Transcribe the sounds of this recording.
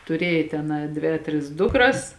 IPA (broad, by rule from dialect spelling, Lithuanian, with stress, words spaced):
tʊˈrʲeːjɛ tʲɛn ɐ ˈdʲʋʲeː ɐ ˈtʲrʲɪs ˈdʊkrɐs